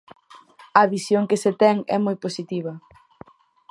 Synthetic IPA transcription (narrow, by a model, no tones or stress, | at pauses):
ɐβisjoŋkɪset̪ɛŋɛ̰mojposit̪iβ̞ɐ